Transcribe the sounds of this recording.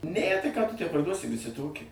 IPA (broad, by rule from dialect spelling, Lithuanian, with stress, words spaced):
nʲæ tɐɪ kɑː tʊ tʲæː pɐrˈduɔsʲɪ ʋʲɪˈsʲɪ ˈtoːkʲɪ